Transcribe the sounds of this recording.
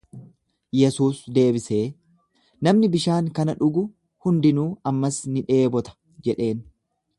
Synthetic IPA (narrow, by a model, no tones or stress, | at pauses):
jɛsuːsd̪e̞ːbɪse̞ː | nɐmnɪbɪʃaːŋkɐnɐᶑʊɡʊ | hʊnd̪ɪnuːɐmːɐsnɪᶑe̞ːbɔt̪ɐ̥ | d͡ʒɛᶑe̞ːn